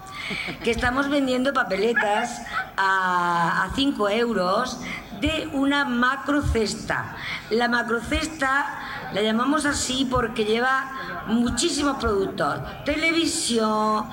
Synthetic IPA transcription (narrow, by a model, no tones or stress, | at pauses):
ke̞st̪amo̞zβe̞nd̪je̞nd̪o̞pape̞le̞t̪as | aː | θiŋkoe̞wɾo̞s | d̪e̞unamakɾoθe̞st̪a̰ | lamakɾoθe̞st̪a | laʎamãmo̞s̬asipo̞ɾke̞ʎe̞β̞a | mũt͡ʃis̬imo̞spɾoðut̪o̞s | t̪e̞le̞β̞isjoŋ